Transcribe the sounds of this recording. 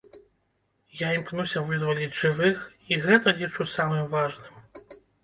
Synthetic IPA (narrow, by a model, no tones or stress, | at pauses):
jaimknusʲɐvɨzvɐlʲiʐɨvɨx | iɣɛt̪ɐlʲit͡ʂusamɨmvaʐnɨm